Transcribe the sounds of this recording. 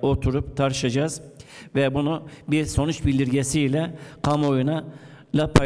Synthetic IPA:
o̞t̪ʰuɾupt̪ʰaɾʃad͡ʒaz̥vɛbunubiɾso̞nut͡ʃbilʲd̪iɾɟesilʲɛkʰamo̞juna | lʲapʰa

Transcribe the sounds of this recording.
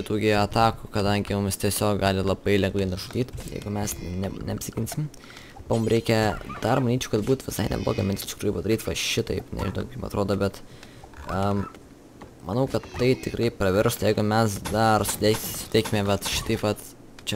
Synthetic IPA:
ɪt̪uːɡʲɪɐt̪ɑːkʊkɐd̪ɐŋʲɡʲɪmʊmʲst̪ʲiɛsʲoːkɡɑːlʲɪlˠɐbɐɪlʲɛŋɡlˠɐɪnʊʒʊd̪ʲiːt̪ʲjɛ̰ɪɡʊmʲɛsnʲɛnʲɛɐpʲsʲɪkʲɪnʲsʲɪm | pɐmʊmɾʲɛɪkʲɛd̪̥ɐrmɐnʲiːt͡ʃʲoʊkɐt̪buːt̪ʋʲɪsɐɪnʲɛ̰blˠo̰ːɡʲɐmʲɪnt̪ʲst̪ʲɪ̥kɾuɪpɐd̪ɐɾʲiːt̪ʋɐʃʲɪt̪ɐɪpnʲɛ̰ʒʲɪno̰ʊkkʲɪmpɐ̰t̪ɾoːd̪oːbʲɛt̪ | ɐm | mɐnɐʊkɐt̪ːɐɪt̪ʲɪkɾɐɪpɾɐʋʲɛɾst̪jɛɪɡʊmʲɛsd̪ɐrsʊ̥t̪ʲɛksʊ̥t̪ʲɛɪːkʲɪmʲɛbʲɛt̪ʃʲɪ̥t̪ɐɪpʋɐt̪ | t͡ʃʲɛ

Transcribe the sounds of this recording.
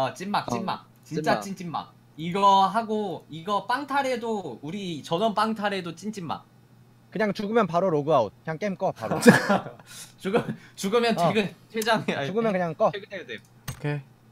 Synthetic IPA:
at͡ɕ͈inmak̚t͡ɕ͈inma̰k̚ | t͡ɕint͡ɕ͈at͡ɕ͈int͡ɕ͈imma̰k̚ | iɡʌɦaɡoiɡʌp͈aŋtʰaɾe̞douɾit͡ɕʌnʌnp͈aŋtʰaɾe̞dot͡ɕ͈int͡ɕ͈imːa̰k̚ | kɯɲaŋt͡ɕuɡɯmjʌnpaɾoɾoɡɯaot̚kɯɲaŋk͈emk͈ʌpaɾo | t͡ɕuɡɯt͡ɕuɡɯmjʌnt͡ɕeɡɯntʰed͡ʑaŋeauɡɯjʌnkɯɲaŋk͈ʌeɡɯdejde | kʰe

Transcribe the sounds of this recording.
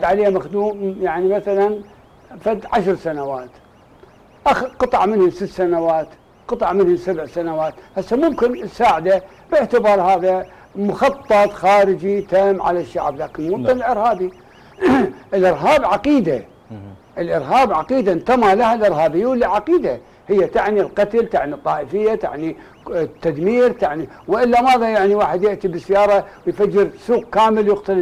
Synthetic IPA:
d̪ʕaleːhmaxd̪uːmjaʕnimaθalan | fad̪ːʕaʃɾsanawaːt̪ | ʔaxqɨt̪ˤɑʕmɪnhʊsɪt̪ːsanawaːt̪ | qɨt̪ˤɑʕmɪnhʊsabʕsanawaːt̪ʔasːamʊmkɪnɪsaːʕɪd̪a | b̥ɪʕt̪ɪbɑːɾˤhaːða | mʊxɑt̪ˤːɑt̪ˤxaːɾɪd͡ʒit̪aːmːʕa̰laʃːa̰ʕblaːkɪnmut̪ːˤɪnɪlʔɪɾhaːbi | ʔɪlʔɪɾɦaːbʕaqiːd̪a | ʔɪlʔɪɾɦaːbʕaqiːd̪ant̪amalahalʔɪɾɦaːbɪjːawɪlːiʕaqiːd̪a | hɪjːat̪aʕnilqɑt̪lt̪aʕnit̪ˤːɑːʔəfɪjːat̪a̰ʕni | t̪ːad̪miːɾt̪aʕniwʔɪlːamaːðajaʕniwaːħɪd̪jɪʔt̪ibɪsːjɑːɾˤɑwjfad͡ʒːɪɾsuːq̚kaːmɪljɪqt̪al

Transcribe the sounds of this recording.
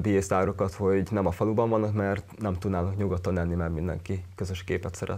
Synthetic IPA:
bieːst̪aːɾokɒt̪ho̞ɟnɛmɒfɒlubɒɱvɒnːɒkmɛrt̪nɛmt̪ud̪naːlnɒkɲuɡot̪ːɒnɛnːimɛɡmind̪ɛ̰ŋkikøzøʃkeːpɛt̪sɛɾɛ̰

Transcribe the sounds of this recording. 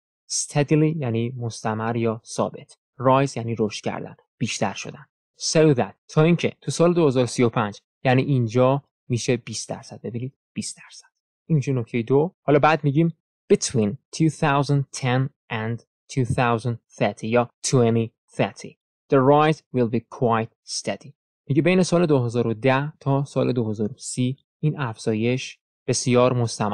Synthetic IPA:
st̪ʰed̪ilijæːniːmo̞st̪æmæɾjɒːsɒ̰ːbe̞t̪ʰ | rɒːjzjæːniːɾoʃt̪cʰæ̰ɾd̪æ̰n | b̥iːʃt̪æɾʃo̞̰d̪ænd̪ | sowðæt̪ʰːɒːiːncʰe̞̰t̪ʰusɒːled̪o̞he̞zɒːɾosijo̞pʰænd͡ʒ | jæniːʔind͡ʒɒː | miːʃe̞biːst̪d̪æ̰ɾsæd̪̚be̞biːniːd̪̥b̥iːst̪d̪̥æɾsæ̥d̪̥ | ʔinmiːʃe̞nocʰt̪ʰe̞jed̪ohɒːlɒːbæːd̪miːɟim | b̥et̪ʰwĩːnt̪ʰuːθawzæ̃nd̪̚t̪ʰenʔænd̪ | t̪ʰuːθawzæ̃nd̪θet̪ʰijɒːt̪ʰueni | θɛt̪ʰḭ | d̪̥eɹajt̪wilˠbikʰwajt̪̚st̪ed̪i | miɟebe̞jne̞sɒːle̞d̪oɦe̞zɒːɾo̞d̪æht̪ʰɒːsɒːlʔe̞d̪oɦe̞zɒːɾosiː | iːnʔæfz̥ɒːje̞ʃ | b̥e̞sijɒːɾmo̞st̪ʰæmæ

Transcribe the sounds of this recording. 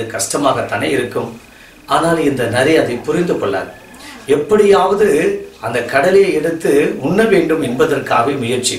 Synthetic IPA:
ɯkɐʂʈɐmaːɣɐt̪ːaːneɪɾɯkːɯm | aːnaːlɪnd̪ɐnɐɾɪjaðipʊɾɪnd̪ɯkɔɭːa̰ːɾ | ɛpːɐɽɪjaːʋɐðɯɐnd̪ɐkːɐɽɐlɪjɐɛɽɯt̪ːɯʊnːɐʋeːɳɖɯmɛnbɐðɐrkaːʋeːmʊjɐɾt͡ʃːi

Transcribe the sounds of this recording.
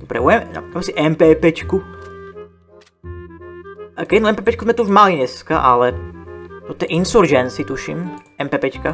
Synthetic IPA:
ɔbɾɛ̰buɛm̰amɛsiʔɛmpɛpɛt͡ʃku | kɛɛnuɛmpɛːpɛt͡ʃkuzmɛt̪uuʒmaliɲɛska̰ʔalɛ | t̪ɔt̪ɛɛʔinsuɾd͡ʒɛnsit̪uʃḭmɛmpɛpɛt͡ʃka

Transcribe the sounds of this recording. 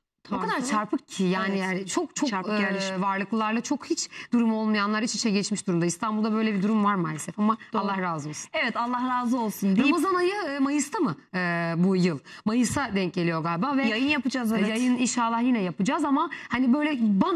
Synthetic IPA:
okʰad̪aɾt͡ʃʰaɾpʰɯk̚cʰɪjaːniat͡ʃʰo̞k̚t͡ʃʰovaɾlˠɯklˠɯlˠaɾlˠat͡ʃʰo̞khit͡ʃd̪̥uɾumo̞lˠmajanlˠaɾit͡ʃʰit͡ʃʰɛɟɛt͡ʃmiʃd̪uɾumd̪aist̪ʰanbulˠd̪abø̞jlʲɛbid̪uɾumvaɾmaːlʲesɛfamaalˠːahɾaːzɯo̞lˠsunɛvɛt̪alˠːahɾaːzɯo̞lˠsund̪ɾamazanajɯmajɯst̪ʰamɯ | ɯːbujɯlˠmajɯsad̪ɛɲc̚eijo̞ɡalʲbavɛjajɯnjapɯd͡ʒazajajɯninʃaːlˠahjinɛjapɯd͡ʒaːzamahanibø̞jlʲɛban

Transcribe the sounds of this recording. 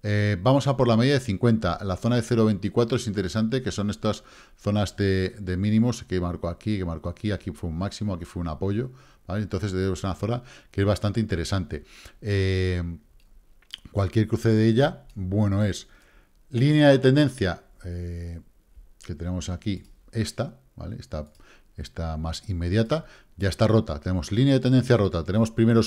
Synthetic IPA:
ebamo̞sapo̞ɾlame̞ðjaðeθiŋkwe̞nt̪alaθo̞naðe̞θe̞ɾo̞βent̪ikwat̪ɾoe̞sint̪eɾe̞sant̪̬e̞ke̞so̞ne̞st̪as | θo̞nazðe̞d̪e̞mĩnĩmo̞skemaɾko̞akike̞maɾko̞akiakifweummaksimo̞akifweunapo̞ʝo̞ | b̥alent̪o̞nθe̞zðeseunaθo̞nakee̞zβast̪ant̪eint̪e̞ɾe̞sant̪e̞e | kwalkjeɾkɾuθe̞ðeeʎabwe̞no̞e̞s | linjaðe̞t̪e̞nd̪e̞n̟θja | e | ke̞t̪e̞ne̞mo̞saki | e̞st̪a | ba̰le̞̰est̪a | e̞st̪amasimːe̞ðjat̪a | ɟ͡ʝae̞st̪aro̞t̪a̰t̪e̞ne̞mo̞slinjaðe̞t̪e̞nd̪e̞n̟θjaro̞t̪at̪e̞ne̞mo̞spɾime̞ɾo

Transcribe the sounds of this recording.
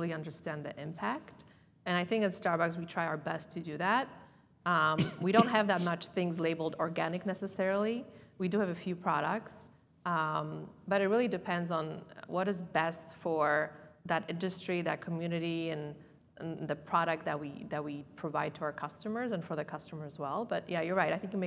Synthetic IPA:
lˠiʌ̃ndə˞stæ̃nðḭʔɪ̃mpʰækt | ɨ̃naɪθɪ̃ŋkɨ̃zstɑɹbækswitʰɹ̥aɪaʊə˞bɛstʰɨdɨðæt̚ | wiɾõʊ̃nt̚ɦɨvðət̚mʌt͡ʃθɪ̃ŋzleɪbl̩ˠdɔɹɡænɨk̚nɛsɨsɛɹl̩ˠiwidɨɨvɨfjʉpʰɹ̥ɑɾək̚ts | b̥ʌɾɨt̚ɹɪlˠidɨpʰɛ̃ndzn̩wʔʌɾɨzbɛstfə˞ðɨɾɪ̃ndɨstɹ̥iðɨ̰t̚kʰmjʉnɨɾiɨ̃n | ðɨpʰɹ̥ɑɾɨk̚t̪̚ðɨt̚wiðɨt̚wipʰɹ̥ɨvaɪd̚tʰəaʊə˞kʰʌstɨmə˞zɨ̃nfə˞ðɨkʰʌstəmə˞ɨzwɛlˠbʌt̚jæjə˞ɹaɪtaɪθɪ̃ŋkjɨmeɪ

